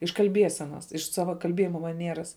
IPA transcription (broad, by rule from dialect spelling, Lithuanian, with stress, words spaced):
ɪʃ kɐlʲˈbʲiɛsʲɛnɐs ɪʃ ˈsɑːʋɐ kɐlʲˈbʲiɛjɪmɐ mɐˈnʲiɛrɐs